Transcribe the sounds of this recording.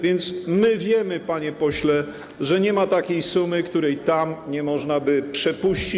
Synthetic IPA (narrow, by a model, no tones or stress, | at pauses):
vʲjɛnt̪smɘvʲjɛmɘpaɲɛpɔɕlɛ | ʐɛɲɛmat̪akʲejsumɘkt̪uɾɛjt̪amɲɛmɔʐnabɘpʂɛpuɕt͡ɕi